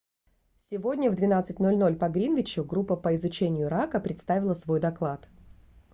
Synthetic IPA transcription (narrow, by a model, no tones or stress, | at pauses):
sʲɪvo̞dʲnʲəvd̪vʲɪnat̪sɨtʲnolʲno̞lʲpɐɡɾʲinvʲɪt͡ɕʊɡɾupːəpəɪzʊt͡ɕenʲɪjʊɾakəpɾʲɪt̪st̪avʲɪlˠəsvo̞jd̪ɐklˠat̪